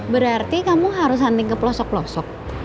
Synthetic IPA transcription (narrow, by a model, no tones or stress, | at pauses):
bəɾart̪ikamuɦaɾʊs̬ant̪ɪŋkəplɔsɔk̚plɔsɔk̚